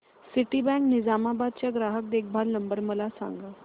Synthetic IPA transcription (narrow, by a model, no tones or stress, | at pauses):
siʈibɛ̃knid͡zamabad̪̚t͡ɕjaɡɾaɦək̚d̪ek̚ʰbʱalnəmbəɾməlasã̰ŋɡa